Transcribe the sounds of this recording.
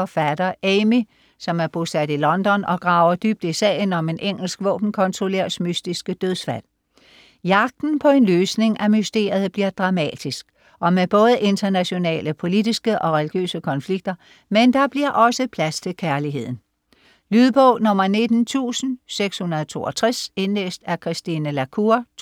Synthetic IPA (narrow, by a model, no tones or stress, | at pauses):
ɒfæd̥ɐʔeɪmi | sɒ̽mæɐb̥osæd̥ilɒ̽nd̥ɒ̽nɒ̽ɡ̥ʁɑ̈ʊɐd̥yb̥̚d̥isɛ̰ːɪnɒ̽me̝nʔeŋ̰l̩sɡ̥ʋɔ̰ːb̥n̩kʰɒ̽nt͡sʰʁo̝leɐ̰smysd̥isɡ̥əd̥øðˠsfæl̰ | jɑ̈ɡ̥̚d̥n̩pʰɒ̽e̝nløːsne̝ŋæmysd̥e̝̰ːɐ̰ið̩ˠb̥liɐd̥ʁɑ̈mɛ̰ːd̥isɡ̥ | ʔɒ̽meb̥ɔ̽ːð̞ˠəʔe̝nd̥ɐnæɕo̝nɛ̰ːləpʰo̝lid̥isɡ̥əʔɒ̽ʁɛliɡ̥jø̰ːsəkʰɒ̽nfliɡ̥̚d̥ɐ | mend̥ɑ̈b̥liɐʔɒ̽səpʰlæst͡sʰe̝lkʰæɐliɦe̝ð̰ˠn̩ | lyðˠb̥ɔʊnɔ̽m̰ɐne̝d̥n̩t͡sʰṵːsn̩seɡ̥shunɐð̞̩ˠt͡sʰo̝̰ːɒt͡sʰʁɛse̝nlḛːsd̥æɐkʰʁisd̥inəlækʰuɐ